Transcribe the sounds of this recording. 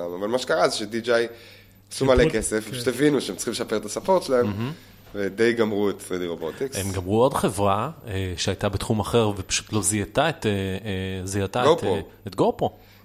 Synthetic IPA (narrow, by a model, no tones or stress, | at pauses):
amavalmaʃekaʁazeʃedid͡ʒaj | asumalekesefaʃut̪evinuʃeemt͡simleʃapeet̪asapoʁt̪ʃlaemɦ̩ | ved̪ejɡamʁuet̪sʁidiʁo̞bot̪ikemɡamʁuo̞dχe̞vʁaeʃeajt̪abet̪χumaχe̞ʁvepḁʃu̥t̪lo̞zijat̪aet̪e | zijat̪aotoetɡopo